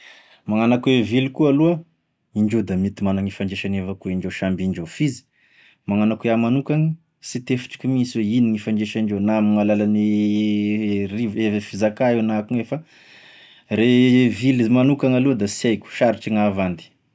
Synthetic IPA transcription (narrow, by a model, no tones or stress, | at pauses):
maŋanakwevilikualuə | iɳɖ͡ʐed̪amit̪imanaŋifaɳɖ͡ʐeʃanevakueiɳɖ͡ʐeʃambiɳɖ͡ʐefizi̥ | maŋanakeamanukaŋə | sit̪efi̥ʈ͡ʂi̥kʲumisiweiniŋifaɳɖ͡ʐeʃaɳɖ͡ʐenamiŋalalane | rivevefizakaewnakuŋefə | revilimanukaŋaled̪asajkʲu̥ʃaɾiʈ͡ʂiŋavand̪i̥